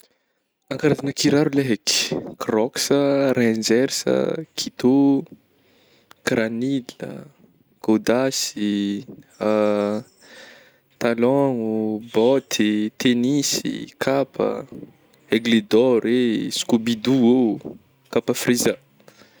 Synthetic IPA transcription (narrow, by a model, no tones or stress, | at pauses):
ãŋkaɾazanəkiɾaɾuleɦekkrɔksərɛ̃d͡ʒɛɾsə̰kʰit̪o | kranilə̰ | ɡ̥od̪asi | a | t̪alɔŋubɔt̪ʰit̪enisḭkʰapʰə̰ | eɡled̪ɔɾeskubid̪ue | kapəfriza